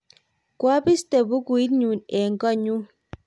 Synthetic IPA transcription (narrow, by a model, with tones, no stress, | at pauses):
kwa˦bi˦ste˨bu˦ku˨i˦t̚ɲu˨nɛ˨ŋ̩˨kɔ˦ɲu˦